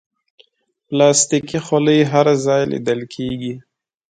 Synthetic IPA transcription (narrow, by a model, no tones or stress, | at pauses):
plɑst̪ikixoləjɦaɾzɑjlḭd̪əlkʰeɡi